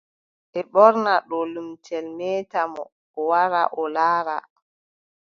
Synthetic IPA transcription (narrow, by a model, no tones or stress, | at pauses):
ʔɛɓɔɾnaɗɔlumtʰɛlmɛːtamɔ̰ː | waɾa̰ʔɔlaːɾa̰